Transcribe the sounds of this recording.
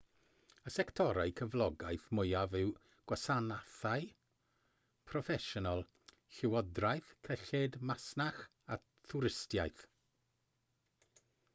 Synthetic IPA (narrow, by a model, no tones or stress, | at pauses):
əsɛktʰɔɾajkʰəvlˠɔɡajθmʊjavɪw | ɡ̥wasanaθaj | pʰrɔfɛʃɔnɔlˠ | ɬɪwɔdrajθkʰəɬɪdmasnaχ | a | tʰuɾɪstja̰jθ